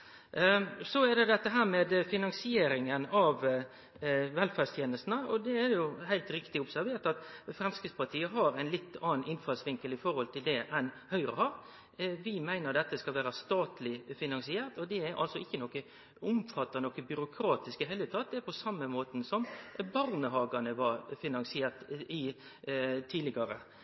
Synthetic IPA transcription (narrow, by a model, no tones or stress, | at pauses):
sɔɛd̪ɛd̪ɛt̪ːəɦæːɾmɛːd̪fɪnɑŋsɪeːɾɪŋənɑʋ | ʋɛlfæːst̪ʰjeːnəst̪n̩əɔd̪ɛædjʊhæɪlt̪ɾɪkt̪ɪʊbsæɾʋeːɾʈ̪ɑt̪fɾɛmskəspʰɑt̪ʰiːəɦɑɾæɪnlɪt̪ːɑːnʔɪnfɑlsʋɪŋkəlɪfɔɾhɔlt̪ʰɪld̪ɛʔɛn | hœʏɾəə̰hɑɾ | ʋɪmæɪnəɾd̪ɛt̪ːəskɑlʋæːɾɑst̪ɑːt̪lɪfɪnɑŋsɪeːɾt̪ɔd̪ɛæʔɑ̰lsɔɪçːənɔkːə | ʊmfɑt̪ːənɔkəbʏɾʊkʰɾɑːt̪ɪskɪɦæɪlət̪ʰɑːt̪̚d̪ɛɛpʰɔsɑmːəmoːt̪n̩sɔmbɑɾnəhɑːɡɑnəʋɑɾfɪnɑŋsɪeːt̪ɪ | t̪ʰiːlɪɡɑɾə̰